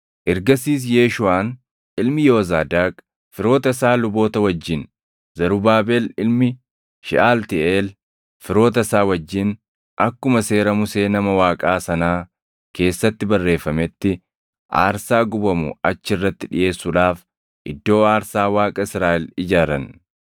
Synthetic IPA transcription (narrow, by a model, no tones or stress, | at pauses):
ʔɪɾɡɐsiːs̬jeːʃʊaːn | ɪlmɪjo̞ːzaːd̪aːkʼ | fɪɾo̞ːt̪ɐsaːlʊbo̞ːt̪ɐwɐd͡ʒːɪn | zɐɾʊbaːbeːlɪlmɪ | ʃɪ̰ʔaːlt̪ɪeːl | fɪɾo̞ːt̪̬ɐsaːwɐd͡ʒːɪn | ʔɐkːʊmɐse̞ːɾɐmʊse̞ːnɐmɐwaːkʼaːsɐnaː | ke̞ːsːɐt̪ːɪbɐrːe̞ːfːɐmɛt̪ːɪ | ʔa̰ːɾsaːɡʊbɐmʊ̰ɐt͡ʃːɪɪrːɐt̪ːɪᶑɪ̰jʔe̞ːsːʊᶑaːf | ʔɪ̰d̪ːo̞ːaːɾsaːwaːkʼɐɪsɾaːʔɛlɪd͡ʒaːɾɐn